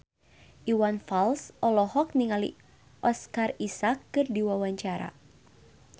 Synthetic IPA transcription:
ʔiwanfalsʔɔlɔhɔk̚niŋalḭ | ʔɔskarisakːɨrdiwawaɲt͡ʃaɾa̰

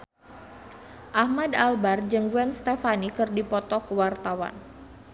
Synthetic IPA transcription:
ʔahmadalbard͡ʒəŋɡuɛnst̪efanikərdipɔt̪ɔkəwart̪awa̰n

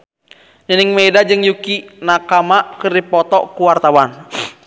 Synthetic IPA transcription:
niniŋmɛdad͡ʒɨŋjukinakamakɨrdipɔt̪ɔkuwart̪awan

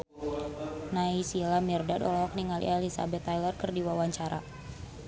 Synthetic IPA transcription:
naisilamirdadɔlɔɔk̚niŋalḭɛlisa̰bɛt̪ːajlərkɨrdiwawaɲt͡ʃaɾa̰

